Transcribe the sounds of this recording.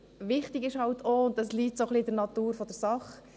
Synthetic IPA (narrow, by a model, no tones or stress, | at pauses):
ʋɪχtɪɡɪʃhɑltʰoʊntəsliːtsoχlidəɾnɑt̪uːɾfɔd̥əɾsɑχ